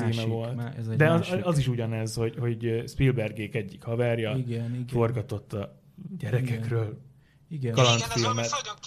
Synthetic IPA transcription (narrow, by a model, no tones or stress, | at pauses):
iːmɛvo̞ltzd̪ɛɒɒziʃuɟɒnɛzho̞ɟho̞ɟspilbɛrɡeːkɛɟːikhɒvɛrjɒiɡɛniɡfo̞rɡɒt̪o̞t̪ːɒ | ɟɛɾɛkɛkrøːl | iɡkɒlɒnt̪filmɛt̪